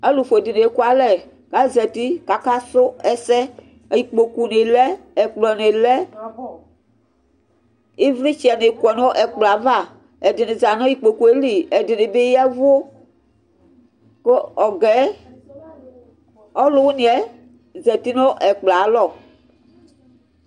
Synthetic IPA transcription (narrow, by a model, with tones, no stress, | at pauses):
ɛ˦lu˨fo˨dɪ˨ne˨˦ku˦a˨˦lɛ˨ | ɡ̥a˨˦zɛ˨ti˦ka˨ka˦sʊ˦ɛ˦sɛ˦˨ | ji˨k͡po˨ku˨ne˨lɛ˦ɛ˨k͡plɔ˨ne˨lɛ˦ | e˦vli˦t͡ʃi˨ɛ˨ne˨kwɔ˨n˦o˦ʔɛ˨k͡pla˨va˦˨ | ɛ˨dɪ˨ne˨za˨nɔ˦ji˦˨k͡po˨ku˨e˦li˨ɛ˨dɪ˨ne˨be˦jɛ˦vo˦ | ko˦ɔ˨ɡɛ˨˦ | ɔ˦lʊ˦wu˦nĩ˨ɛ˦ | zɛ˨ti˦no˦ʔɛ˨k͡pla˨˦lɔ˦˨